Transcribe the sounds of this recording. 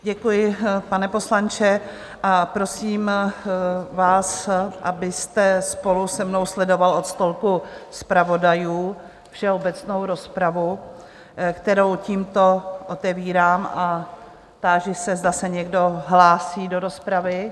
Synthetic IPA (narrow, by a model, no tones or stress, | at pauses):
ɟɛkujɪpanɛpo̞slant͡ʃɛ | ʔapɾo̞siːm | vaːsʔabɪst̪ɛspo̞lusɛmno̞wslɛdo̞valo̞t̪st̪o̞lkuspɾavo̞dajuː | fʃɛobɛt͡sno̞wɾo̞spɾavu | kt̪ɛɾo̞wciːmt̪o̞ʔot̪ɛviːɾaːmʔa | t̪aːʒɪsɛzd̪asɛɲɛɡdo̞ɦlaːsiːdoɾo̞spɾavɪ